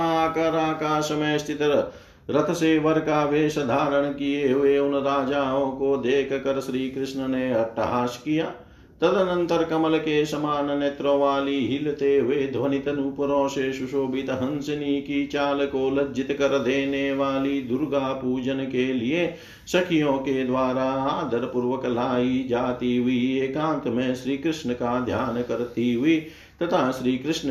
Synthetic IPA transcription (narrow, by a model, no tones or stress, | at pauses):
aːkɐɾaːkaːʃɐmeːst̪it̪ɐ | ɾɐt̪ʰɐseːʋɐɾkaːʋeːʃɐd̪ʱaːɾɐɳɐkieːʋeːunɐɾaːd͡ʒaːɦõːkoːd̪eːkʰɐkɐɾɐʃɾiːkɾɪʃnɐneːɐʈːɐ̰ɦaːʃkijaː | t̪ɐd̪ɐnɐnt̪ɐɾɐkɐmɐlɐkeːsɐmaːnɐnet̪ɾɐʋaːliːɦilɐt̪eːʋeːd̪ʱʋɐnit̪ɐnupɐɾoːʃeːʃuʃoːbit̪ɐɦɐnsɐniːkit͡ʃaːlɐkoːlɐd͡ʒit̪ɐkɐɾɐd̪eːneːʋaːliːd̪uɾɡaːpuːd͡ʒɐnɐkeːlijeː | sɐkʰijõːked̪ʋaːɾaːaːd̪ɐɾɐpuɾʋɐkɐlaːjid͡ʒaːt̪iːʋieːkãːnt̪ɐmẽːʃɾiːkɾɪʃɳɐkaːd̪ʱjaːnɐkɐɾt̪iːʋi | t̪ɐt̪ʰaːʃɾiːkɾɪʂnɐ